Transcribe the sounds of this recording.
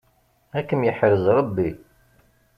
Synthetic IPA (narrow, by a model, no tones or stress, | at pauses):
ækːəmjəħɾəzɾˤɑbːi